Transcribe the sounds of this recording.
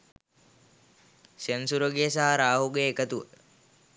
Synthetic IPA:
sənsuɾoɡijəsaɦaɾaːɦuɡeːkət̪uʋə̰

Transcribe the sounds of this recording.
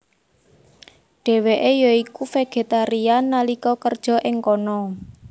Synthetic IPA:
ɖ̥ɛ̤weʔejɔikufeɡ̥e̤t̪aɾianalikɔkərd̥ʒ̥ɔ̤ʔɪŋkɔnɔ

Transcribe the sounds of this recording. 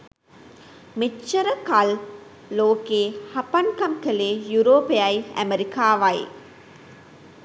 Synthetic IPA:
met͡ʃːəɾəkalː | oːkeːhapankamkəleːjuɾoːpeajæ̰meɾikaːʋaj

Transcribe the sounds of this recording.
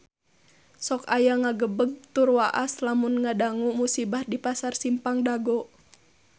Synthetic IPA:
sɔkajaŋaɡəbəɡ̚t̪urwaʔaslamunŋadaŋumusibahdipasarsimpaŋdaɡɔ

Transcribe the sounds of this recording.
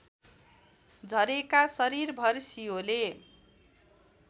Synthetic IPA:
d͡zʱʌɾekasʌɾirbʱʌrsijole

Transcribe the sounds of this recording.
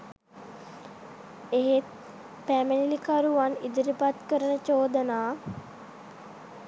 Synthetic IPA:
eɦet̪̚ | pæmənilikaɾuʋanid̪uɾipat̪kəɾənət͡ʃoːd̪ənaː

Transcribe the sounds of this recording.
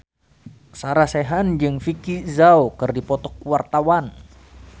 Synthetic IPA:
saɾasɛɦand͡ʒɨŋfikizawkɨrdipɔt̪ɔkuwart̪awan

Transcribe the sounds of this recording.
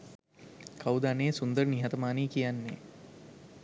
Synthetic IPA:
kʰawd̪aneːsund̪əɾəniɦat̪əmaːniːkijanːe

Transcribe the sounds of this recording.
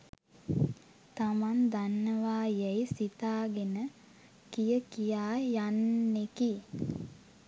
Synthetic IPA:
t̪amand̪anːəʋaːjejsit̪aːɡenə | kijəkijaːjanːeki

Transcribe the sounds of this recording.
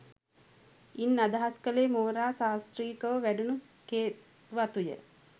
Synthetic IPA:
inːad̪aɦaskəleːmoːɾaːsaːst̪riːkəʋəʋæɖunu | keː | ʋat̪ujə̰

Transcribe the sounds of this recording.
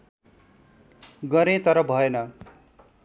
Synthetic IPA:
ɡʌɾet̪ʌɾʌbʱʌenʌ

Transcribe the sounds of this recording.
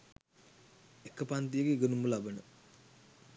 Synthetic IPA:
ekəpant̪ijəɡeiɡənumulabənə

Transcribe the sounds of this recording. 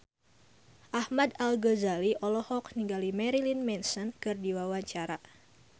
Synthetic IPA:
ʔahmadalɡɔzaliʔɔlɔhɔk̚niŋɡalimɛɾilinmɛnsənkɨrdiwawaɲt͡ʃaɾa

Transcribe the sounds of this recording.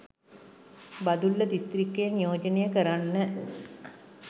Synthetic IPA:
bɐd̪ulːɐd̪ist̪rikːejənijoːd͡ʒɐnejəkəɾanːə

